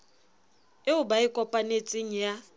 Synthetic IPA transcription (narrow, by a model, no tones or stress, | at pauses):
ɪʊbaɪkʼɔpʼanet͡sʼɪŋ̩ja